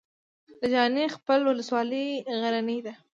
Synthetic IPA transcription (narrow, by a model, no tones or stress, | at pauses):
d̪əd͡ʒɑnexpəlwʊləswɑləjɣaɾanəjd̪a